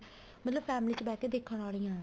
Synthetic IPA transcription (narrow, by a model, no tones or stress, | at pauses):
mət̪ləbpʰɛːmliːt͡ʃəbɛːkeːd̪ekʰːəaːliːãː